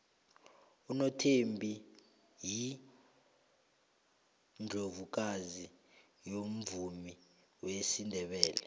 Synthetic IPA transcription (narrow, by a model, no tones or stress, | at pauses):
unotʰembʱi | ji | nd͡ɮʱovuk̬azi | jom̩vumi | wesindʱɛɓɛːlɛ